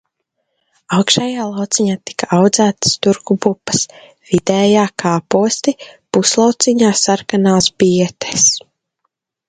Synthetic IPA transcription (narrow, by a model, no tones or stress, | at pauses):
awkʃajaːlˠawt̪siɲaːt̪i̥kaawd̪zæːt̪st̪uɾkubupːɐ̥s | v̥id̪ɛːjaːkʰaːpuɔst̪ipuslˠawt̪siɲaːsaɾkanaːsbiɛt̪e̥s